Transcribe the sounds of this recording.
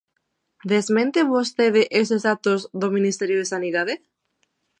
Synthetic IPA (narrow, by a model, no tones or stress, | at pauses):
d̪ezmẽnt̪eβost̪eðeʔesesat̪ozðomĩnist̪eɾjoðesaniðaðe